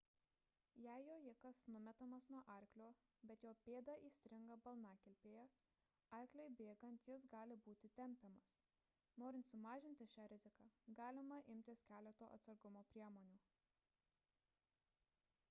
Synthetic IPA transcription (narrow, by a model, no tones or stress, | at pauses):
jæɪjoːjɪkɐsnʊmʲɛt̪ɐmɐsnuɔʔɐɾʲklʲoː | bʲɛt̪joːpʲeːd̪ɐʔiːsʲt̪ʲɾʲɪŋɡɐbɐlˠnɑːkʲɛlʲpʲeːjɛ | ɐɾʲklʲoɪbʲeːɡɐnt̪jɪs̬ɡɑːlʲɪbuːt̪ʲɪt̪ʲɛmʲpʲɛmɐs | noːɾʲɪnt̪sʊmɑːʒʲɪnʲt̪ʲɪʃʲæːɾʲɪzʲɪkɑːɡɑːlʲɪmɐʔɪmʲt̪ʲɪskʲæːlʲɛt̪o̰ːʔɐ̰t̪sɐɾɡʊmoːpʲɾʲiɛmoːnʲuː